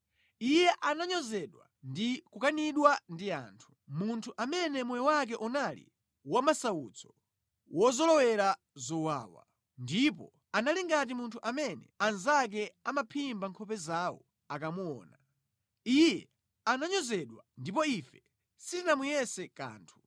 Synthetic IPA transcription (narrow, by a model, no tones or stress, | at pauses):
ijɛʔanaɲɔzɛɗwa̰ | ndikukaniɗwandia̰ːntʰu̥muntʰuʔamɛnɛmujɛwak̬ɛʔɔnalḭ | wamasaut͡sʰɔ̥ | wʔɔzɔlɔwɛɾa | zɔwa̰ːwa̰ | ndip̬ɔ̰ | analiŋɡat̬imuntʰuʔamɛnɛ̰anzak̬ɛamapʰimbaŋkʰɔpɛzawɔ̰ | akamuɔ̰ːna | ijɛ | anaɲɔzɛɗwandip̬ɔifɛ | sitinamujɛsɛka̰ːntʰu̥